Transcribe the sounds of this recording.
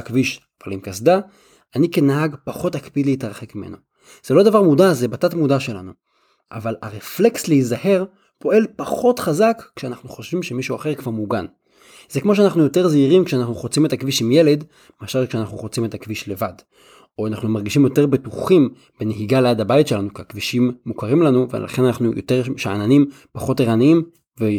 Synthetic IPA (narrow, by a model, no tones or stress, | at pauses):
akviʃ | va̰limkasd̪a | anikenaɦaɡpaχo̞thakpid̪leitaʁχekmimḛno | z̥elo̞d̪avaʁmudazebatatmudaʃe̞la̰nu | ʔa̰valaʁefle̞ksleizahe̞ʁ | po̞e̞lpaχo̞tχazakːʃeanaχnuχo̞ʃvimʃemiʃuaχe̞ʁkv̥aʁmuɡan | zekmo̞ʃ̬eanaχnujo̞te̞ʁzeiʁimkʃeanaχnuχot͡simet̪akviʃimje̞le̞d | maʃalkʃeanaχnuχot͡sime̞takviʃle̞vad | oanaχnumaʁɡiʃimjo̞te̞ʁbetuχim | b̥eneɦiɡaleadabajitʃelanukeakviʃimːukaʁimlanuvḛlʔa̰χenanaχnujʔoteʁʃeananim | paχo̞teʁaniim | ve